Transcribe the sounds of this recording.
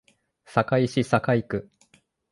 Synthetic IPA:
sakaiɕisakaikɯ̟

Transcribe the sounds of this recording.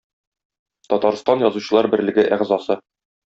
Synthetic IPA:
t̪ɒt̪ɑɾst̪ɑnjɒzuɕɤ̆lˠɑɾbɘ̆ɾlɘ̆ɡɘʔæʁzɑsɤ

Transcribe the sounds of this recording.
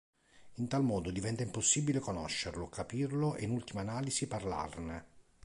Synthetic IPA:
int̪almɔːd̪od̪ivɛnt̪aimposːibilekonɔʃːerlokapirloʔḛinult̪imaːnaːlisiparla̰rne

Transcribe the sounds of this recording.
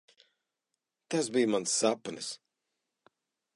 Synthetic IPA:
t̪asbijmansːapnɨs

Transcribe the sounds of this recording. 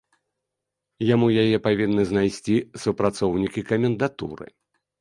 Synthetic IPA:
jamujajɛpavʲinːɨznajsʲt͡sʲisupɾat̪sɔwnʲikʲikɐmʲɛnd̪at̪ṵɾɨ̰

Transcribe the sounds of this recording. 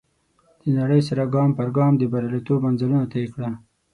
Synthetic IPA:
d̪̥ənaɽəjsaɾaɡɑːmpaɾɡɑmd̪əbaɾalet̪obmanzalunat̪akɽa

